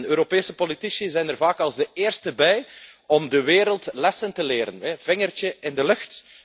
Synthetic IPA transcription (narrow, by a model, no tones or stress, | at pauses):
nøːɾopeːsəpolitisizɛjnərvaːkɑlˠzdəeːrstəbɛjɔmdəʋeːɾəlˠtlɛsəntəleːɾə̰nɛv̥ɪŋərt͡ʃəʔɪndəlɵxt